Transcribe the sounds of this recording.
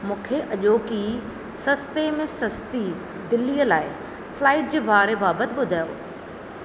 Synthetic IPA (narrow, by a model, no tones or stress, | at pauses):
mʊ̃ːkʰeʔɐʄoːki | sɐst̪emẽsɐst̪i | d̪ɪlijəlaːɪ | flaːɪʈ̚d͡ʑeːbaːɾebaːbət̪ɪɓʊd̪ʱaːjo̰ː